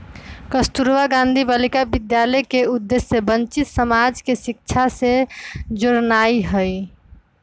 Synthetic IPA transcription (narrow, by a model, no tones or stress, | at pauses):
kəst̪uɾʋaɡãnd̪ʱibalikabid̪jaləjkeud̪ːesːebənt͡ʃit̪səmad͡ʒkesik̚t͡ʃʰased͡ʒoɾnaiɦəj